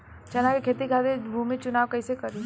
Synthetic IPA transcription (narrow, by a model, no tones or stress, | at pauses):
t͡ʃɐnakekʰeːt̪ikʰad̪ebʱumit͡ʃʊnaːwkɐisekɐɾi